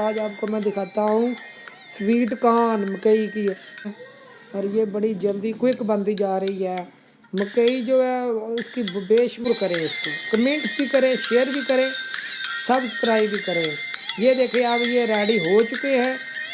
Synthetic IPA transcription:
aːd͡ʒaːbkoːmɛ̃ːd̪ɪkʰaːt̪aːɦũː | swiːʈkaːnməkəiːkiː | ɔːɾjeːbəɽiːd͡ʒəld̪iːkwɪkbənd̪iːd͡ʒaːɾəiːɦɛː | məkəiːd͡ʒoːɛːʊskiːbeːʃbʊɾkəɾẽːʊskiːkəmẽːɳʈsbiːkəɾẽːʃeːɾbiːkəɾẽːsəbsə̥pɾaːiːbiːkəɾẽː | jeːd̪eːkʰẽːəbjeːɾɛːɽiːɦoːt͡ʃʊkeːɦɛ̃ː

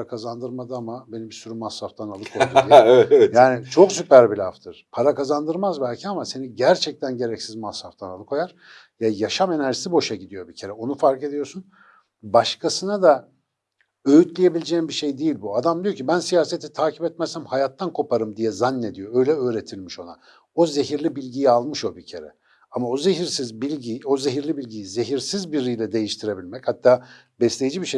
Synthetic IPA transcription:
ɾakʰazand̪ɯɾmad̪ɯamabenibisyɾymashaft̪ʰanalˠɯkʰoɛɛɛt̪jaːnit͡ʃʰo̞ksypæɾbilʲaft̪ʰɯɾ̥pʰaɾakazand̪ɯɾmazbælʲcʰiamase̞niɟæɾt͡ʃʰɛc̚t̪ʰænɟe̞ɾɛcsizmashaft̪ʰanalˠɯkʰo̞jaɾ̥ | jajaʃame̞næɾʒisibo̞ʃaɟid̪ijo̞bicʰe̞ɾɛo̞nufaɾke̞d̪ijo̞sun | baʃkʰasɯnad̪a | ø̞jyt̪lʲije̞bilʲed͡ʒembiʃe̞jd̪ejilʲbuad̪amd̪ijocʰibænsijaːset̪ʰit̪ʰaːcʰipɛt̪mɛst̪æmhajat̪ːankʰo̞paɾɯmd̪ijɛzanːe̞d̪ijo̞ø̞jlʲɛø̞ːɾe̞t̪ʰilʲmiʃo̞na̰ | o̞ze̞ɦiɾlʲibilʲɟijialˠmɯʃo̞bicʰe̞ɾɛ̰ | amaozeɦiɾsizbilʲɟio̞zeɦiɾlʲibilʲɟijize̞ɦiɾsizbiɾijlʲɛd̪e̞jiʃt̪ʰiɾe̞bilʲmɛchat̪ːaː | bɛslʲejid͡ʒibiʃe

